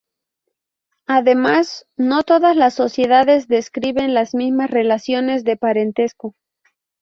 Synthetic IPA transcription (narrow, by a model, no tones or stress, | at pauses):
aðe̞masno̞t̪o̞ðazlasːo̞sje̞ðaðe̞zðe̞skɾiβe̞nlazmizmasre̞lasjo̞ne̞zðe̞paɾe̞nt̪e̞sko